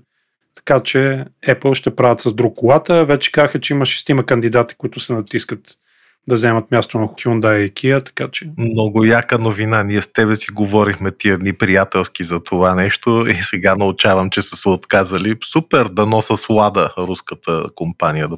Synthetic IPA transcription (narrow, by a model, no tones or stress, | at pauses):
t̪ɐ̥kat͡ʃɛɛplˠʃt̪ɛpɾavʲɐt̪sɐzd̪ɾukːʊlˠat̪əvɛt͡ʃɛ̥kazəxət͡ʃɛimɐʃɛ̥st̪imɐkɐnd̪id̪at̪i̥kʊit̪ʊsɛnɐt̪iskət̪ | d̪ɐvzɛmɐt̪mjast̪onɐxʊ̥xʲund̪aiɛkʰiət̪ɐ̥kat͡ʃɛmnɔɡʊjakənovinaniɛst̪ɛβɛsiɡovɔɾixmɛt̪iɛd̪nipɾijat̪ɛlˠskizɐt̪ʰovanɛʃt̪oisɛɡanɐʊt͡ʃavəmt͡ʃɛsəsɛot̪kazəlisupɛɾd̪ɐnɔsəslˠad̪əɾuskət̪ʰəkompanijəd̪